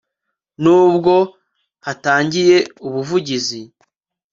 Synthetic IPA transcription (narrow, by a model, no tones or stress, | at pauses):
nuːbɡo̞ | hataːɲɟije̞uβuvuɟizi